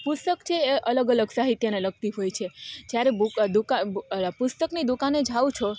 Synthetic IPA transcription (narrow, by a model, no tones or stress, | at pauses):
pʊst̪əkt͡ʃʰeːʔələɡələɡsaɦit̪jəneləɡ̚t̪iɦojt͡ʃʰed͡ʒjaɾebud̪ukapʊst̪əknid̪ukaned͡ʒʱawt͡ʃʰo